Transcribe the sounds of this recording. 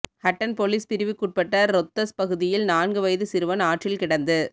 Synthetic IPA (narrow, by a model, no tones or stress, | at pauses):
hɐʈːɐnpolispɪɾɪʋɯkːuʈ̚pɐʈːɐɾɔt̪ːɐspɐɣɯðɪjɪlnaːnɡɯʋɐjðɯsɪɾɯʋɐnaːʈrɪlkɪɽɐnd̪ɯ